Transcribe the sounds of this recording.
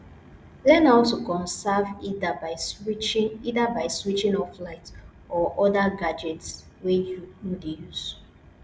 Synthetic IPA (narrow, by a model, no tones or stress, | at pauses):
lɛnɔltukɔ̃nsavidabaɪswit͡ʃŋidabaɪswit͡ʃĩŋɔflaɪt | ɔʔɔdaɡad͡ʒɛts | wejudejuz̥